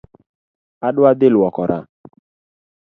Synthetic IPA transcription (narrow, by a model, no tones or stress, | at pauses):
aɗʊad̪elʊɔkɔɾʔa̰